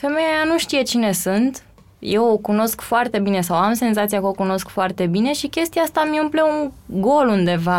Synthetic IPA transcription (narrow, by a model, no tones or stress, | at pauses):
fe̞me̞jajanuʃt̪ije̞t͡ʃine̞sunt̪ | je̞wokuno̞skfoart̪e̞bine̞sawamse̞nzat̪sijakəokuno̞skfoart̪e̞bine̞ʃikʲe̞st̪iaast̪amiumpleuŋɡo̞lund̪e̞va